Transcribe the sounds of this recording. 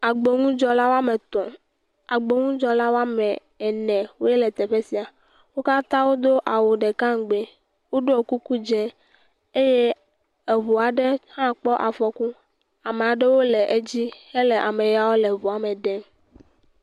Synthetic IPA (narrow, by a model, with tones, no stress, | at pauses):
a˨ɡ͡be˨ŋũ˦d͡ʒɔ˦la˦wo˦a˦me˨t̪ɔ̃˨ | a˨ɡ͡be˨ŋũ˦d͡ʒɔ˦la˦wo˦a˦mɛ˨ | ɛ˨nɛ̃˨wo˦e˦lɛ˨t̪ɛ˨ɸe˦si˨a˨ | wo˦ka˦t̪ã˦wo˦d̪o˦ʔa˨wo˨ɖe˨kã˦ŋ˨ɡ͡be˨ | wo˦ɖo˦ɔ˨ku˦ku˦d͡ʒɛ̃˦ | e˦je˦ | e˨vu˨a˨ɖe˦hã˦k͡pɔ˦ʔa˨fɔ˨ku˦ | a˨me˨a˨ɖe˦wo˦le˨ʔe˦d͡ʑi˦he˦le˨ʔa˨mẽ˨ja˨wo˦le˨vu˨a˨mẽ˨ɖɛ˦